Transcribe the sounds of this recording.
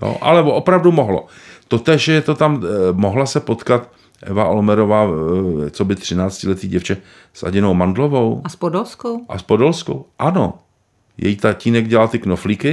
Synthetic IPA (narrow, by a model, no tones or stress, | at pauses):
jo̰ʔa̰lɛvoopɾavdumoɦlo̞̰ | t̪o̞t̪ɛːʃjɛt̪o̞t̪ammo̞ɦlasɛpo̞t̪kat̪ | ʔɛ̰vaʔo̞lmɛɾo̞vaːt͡sobɪt̪r̝̥ɪnaːt͡scɪlɛt̪iːɟɛft͡ʃɛ | sʔa̰ɟɪno̞wmandlo̞vo̞waspodolskowʔa̰spodolsko̰wʔano̰ | jɛ̰jiːt̪aciːnɛɡɟɛlalt̪ɪknoflikɪ